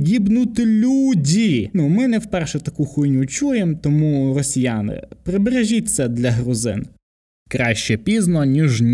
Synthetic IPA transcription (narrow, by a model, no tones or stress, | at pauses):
dʲibnut̪ɪlʲudʲinumɪnɛwpɛrʃɛt̪ɐkuxujnʲut͡ʃujemt̪ɔmurɔsʲijɑnɪ̰pɾɪbeɾeʒʲit̪ʲsʲɐd̪lʲɐɦɾʊzɪ̰n | kɾɑʃt͡ʃɛpʲiznɔnʲiʒnʲ